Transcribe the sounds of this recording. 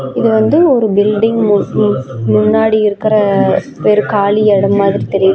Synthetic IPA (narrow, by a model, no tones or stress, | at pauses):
ɪðɯʋɐnd̪ɯɔɾɯbɪlɖɪŋɡm | mʊnːaːɽiɪɾɯkːɪɾɐ | peːɾɯkaːliɛɽɐmːaːðɪɾit̪ɛɾɪjɐðɯ